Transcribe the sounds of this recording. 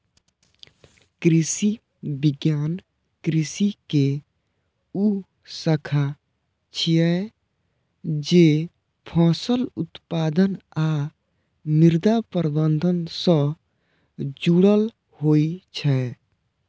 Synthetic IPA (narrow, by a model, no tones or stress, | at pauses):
kɾisi | bɪɡjaːn | kɾisike | u | səkʰa | t͡ʃʰijɛ | d͡ʒe | pʰɔ̃ːsəlʊt̪paːd̪əna | miɾd̪apəɾəbənd̪ʱənsə̃ | d͡ʒuɽəl | hoːit͡ʃʰɛ